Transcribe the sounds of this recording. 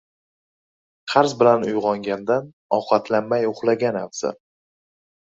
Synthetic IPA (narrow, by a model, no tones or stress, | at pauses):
qʰɑɾzbɪlanʊjʁɒŋɡʲand̪an | ɒwqɑt̪ʰlanmajʊχlˠaɡʲanavz̥a̰